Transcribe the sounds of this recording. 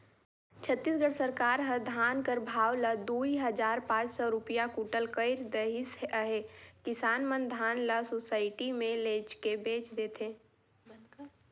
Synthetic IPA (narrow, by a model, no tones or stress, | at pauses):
t͡ʃʰət̪ːiːsɡəɽsəɾkaːɾɦəd̪ʱaːnkəɾbʱaːwləd̪uːiɦəd͡ʒaːɾpãːt͡ʃsɔɾʊpijakuːʈəlkəɪɾd̪əɪsəɦekɪsaːnmə̃nd̪ʱaːnləsosaːɪʈimẽleːt͡ʃkebeːt͡ʃd̪eːt̪ʰẽː